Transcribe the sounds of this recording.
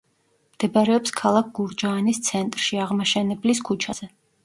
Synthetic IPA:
md̪̥ɛbaɾɛɔpskʰalˠak̚ʰɡ̥uɾd͡ʒaːnist̪sʰɛnt̪ʼɾʃiaʁmaʃɛnɛbliskʰut͡ʃʰaz̥ɛ

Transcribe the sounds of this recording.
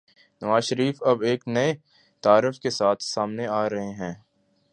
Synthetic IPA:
nɐʋaːzʃəɾiːfɐbeːknɐe | t̪aːɾɪfkesaːt̪ʰsaːmneaːɾɐɦeɦɛ̃ː

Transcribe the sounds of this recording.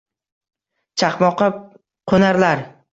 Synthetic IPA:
t͡ʃʰaχmɒqɨp | qʰonaɾlaɾ

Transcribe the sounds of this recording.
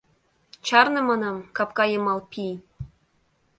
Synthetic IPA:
t͡ɕɑrnɤ̆mɑnɑmkɑpkɑjɤ̆mɑlˠpʲi

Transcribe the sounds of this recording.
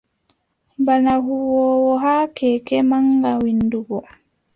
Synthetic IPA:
banaɦuwɔːwɔɦakɛkɛmaŋɡawinduɡɔ

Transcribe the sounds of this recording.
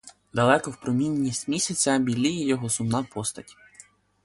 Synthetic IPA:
d̪ɐlˠɛkɔwpɾɔmʲinʲːisʲtʲmʲisʲɐt͡sʲɐbʲilʲijijɔɦɔsʊmnɑpɔst̪ɐtʲ

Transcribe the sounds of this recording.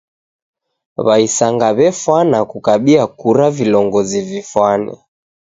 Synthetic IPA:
βaisaŋɡaβɛfwanakukaɓiakuɾavilɔŋɡɔzivifwanɛ̰

